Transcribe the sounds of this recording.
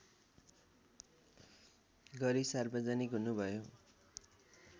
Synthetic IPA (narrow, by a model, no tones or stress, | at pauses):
ɡʌɾisarbʌd͡zanikɦunubʱʌjo